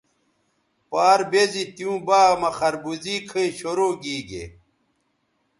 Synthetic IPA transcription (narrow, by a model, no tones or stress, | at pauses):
paːɾbezit̪jũːbaːmɐxɐɾbuziːkʰəiɕoɾoːɡiːɡḛ